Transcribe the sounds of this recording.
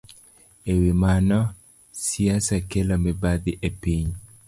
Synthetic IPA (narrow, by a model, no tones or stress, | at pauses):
ewimanɔ | siasakelɔmɛbad̪ɪʔepiɲ